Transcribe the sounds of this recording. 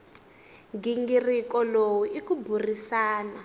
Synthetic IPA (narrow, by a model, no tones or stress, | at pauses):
ɡiŋɡirikɔlowuikuburisaːna